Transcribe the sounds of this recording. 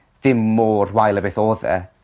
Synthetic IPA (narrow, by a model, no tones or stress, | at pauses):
ðɪmːoːrwajlˠəbeθoːðɛ̰